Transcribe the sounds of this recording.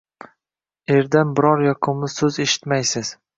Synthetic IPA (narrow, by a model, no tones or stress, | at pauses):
e̞ɾd̪anbɪɾɒɾjɒqʰʊmɪzsɵze̞ʃɪ̥t̪majsɪz̥